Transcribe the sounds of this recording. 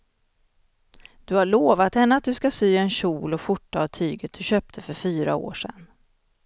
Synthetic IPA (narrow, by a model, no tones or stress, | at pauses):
d̪̥ɵhaɭoːvat̪hɛnːəat̪̚d̪ɵskasyːɛnɕuːlɔɧʊʈːaːvt̪ʰyːɡət̪̚d̪̥ɵɕøːp̚t̪ʰəfœɾfyːɾa̰o̰ːʂɛ̰nː